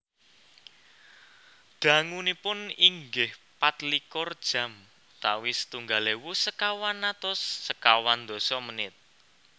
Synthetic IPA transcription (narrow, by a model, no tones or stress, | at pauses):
ɡ̥a̤ŋunipʊniŋɡɪhpat̪likɔrd̥ʒ̥ä̤m | t̪awisə̥t̪uŋɡalewusəkawanːat̪ʊsːəkawand̪̥ɔ̤sɔmənɪt̪̚